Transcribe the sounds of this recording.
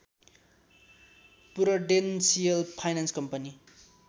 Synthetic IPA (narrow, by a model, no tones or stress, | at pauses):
puɾʌɖensiʌlpʰajnanskʌmpʌni